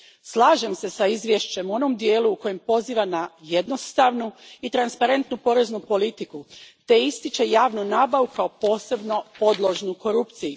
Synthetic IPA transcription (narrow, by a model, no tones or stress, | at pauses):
slˠaːʒe̞mse̞saizʋje̞ʃt͡ɕe̞muo̞no̞md̪jeːluːko̞je̞mpo̞ziːʋanaje̞d̪nost̪aʋnuit̪ɾanspaɾe̞nt̪nupo̞ɾe̞znupo̞lit̪ikut̪e̞ist̪it͡ʃe̞jaːʋnunaːbaʋukaopo̞ːse̞bno̞po̞d̪lˠoʒnuko̞ɾupt̪siju